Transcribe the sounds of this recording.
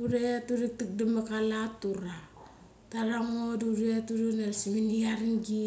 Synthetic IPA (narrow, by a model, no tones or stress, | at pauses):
uɾeatuɾik̚tik̚damakalatuɾa | taɾaŋoduɾeatuɾunalsiminiaɾiŋɡi